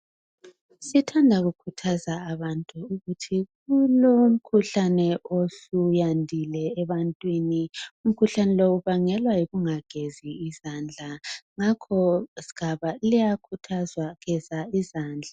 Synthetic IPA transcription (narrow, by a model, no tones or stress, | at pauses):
sitʰandʱaɣukʰutʰazaːβantʼuːɣutʰiɣuloum̩kʰuɬanɛosujandʱilɛːβantʼwinium̩kʰuɬanɛlouβaŋɛlwajiɣuŋaɡ̥ʱeziːzand͡ɮʱaŋakʰɔsi̥ɣ̥ʱaβalijakʰutʰazwaɣɛzaizaːnd͡ɮʱa